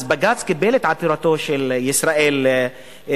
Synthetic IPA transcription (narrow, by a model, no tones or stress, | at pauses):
zbaɡat͡skɪbeːlet̪ʕat̪iɾˤɑt̪oʃeljɪsɾɑʔeːl